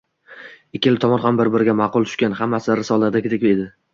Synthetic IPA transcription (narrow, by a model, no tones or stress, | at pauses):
ɪkʲːɪlɪt̪ʰɒmɒnɦambɪɾbɪɾɪɡʲamɑqʊlˠt̪ʰʊ̥ʃkʲanhamːasɪɾɪsɒlˠaɾd̪akʲʰɪd̪ekʲed̪ɪ